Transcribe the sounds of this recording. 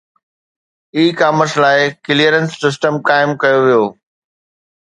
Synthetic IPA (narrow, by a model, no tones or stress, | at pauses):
iːkaːməslaːɪkɪlijəɾənsːɪs̬ʈəmkaːɪmkɐjoʋijoː